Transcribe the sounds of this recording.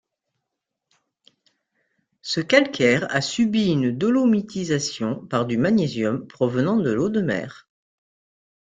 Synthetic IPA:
səkalkʲʰɛʁa̰sybiynd̪ɔlomit̪ʰizasjɔ̃paʁd̪ymanezjɔmpχɔvənɑ̃d̪əlod̪əmɛ̰ːʁ

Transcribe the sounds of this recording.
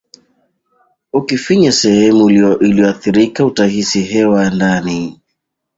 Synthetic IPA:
ukifiɲasɛhɛmuliɔʔiliɔaθiɾikautahisiɦɛwandani

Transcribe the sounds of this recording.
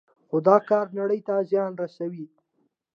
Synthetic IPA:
xʊd̪ɑkɑɾnaɽəjt̪azjɑnɾasawi

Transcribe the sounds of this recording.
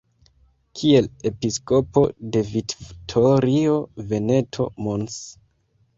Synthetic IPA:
kʰie̞le̞pisko̞po̞de̞viktʰoɾio̞ve̞ne̞tʰo̞̰mons

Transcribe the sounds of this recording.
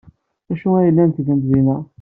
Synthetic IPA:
æʃuæjəlːænt̪ɡənt̪ðinæ

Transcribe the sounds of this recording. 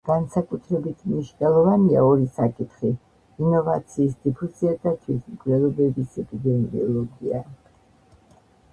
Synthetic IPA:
ɡ̥ansakʼut̪ʰɾɛbit̪ʰmniʃnɛlˠɔvania̰ɔɾisakʼit̪ʰχiː | nɔvat̪sʰiːsd̪̥ipʰusiad̪at̪ʰwismkʼlɛlˠɔbɛbisɛpʼid̪ɛmiɔlˠɔɡia̰

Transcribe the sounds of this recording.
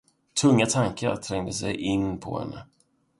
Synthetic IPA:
t̪ʰɵŋːat̪ʰaŋkaɾt̪ʰɾɛŋd̪əsɛjʔɪnpʰɔ̰hɛ̰nːə

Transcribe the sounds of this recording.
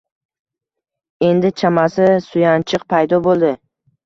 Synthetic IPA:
e̞nd̪ɪt͡ʃʰamasɪsʊjant͡ʃʰɨqpʰajd̪ɒbolˠd̪ɪ

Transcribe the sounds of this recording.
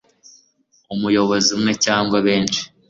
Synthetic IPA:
umujo̞βo̞zimŋe̞caːŋɡwaβe̞ːnt͡ʃi̥

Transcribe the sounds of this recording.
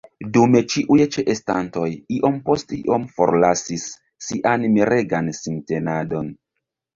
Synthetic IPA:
dume̞t͡ʃiʔujt͡ʃeʔestanto̞jiʔo̞mpo̞stiʔo̞mfoɾlasisː | iʔanmiɾʔe̞ɡansintenado̞n

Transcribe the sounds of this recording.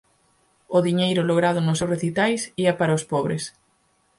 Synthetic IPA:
ʊðiɲejɾʊloɣɾaðʊnʊsewreθit̪ajsiɐpaɾɐospɔβɾes

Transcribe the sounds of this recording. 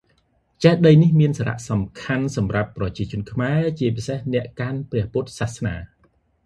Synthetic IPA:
t͡ɕɛhɗəjnihmiənsaːɾa̰ʔsɑmkʰansɑmrapːrɑt͡ɕiət͡ɕʊ̆ənkʰmaɛt͡ɕiəp̬isehnɛ̆əʔkanprɛ̆əhput̪̚saːhsnaː

